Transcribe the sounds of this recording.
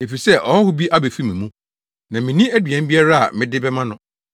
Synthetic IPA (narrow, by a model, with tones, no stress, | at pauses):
e˨fi˨sɛ˦˨ʔɔ˨hɔ˦hʊ˦bi˦ʔa˦be˨fi˦mĩ˨mũ˦ | nã˨mɪ̃˨nĩ˦æ˦dɥɛ̃˨m̩˦bi˦a˦ɾa˦a̰˨mɪ̃˨dɪ˦bɛ˦mã˦nʊ̃˦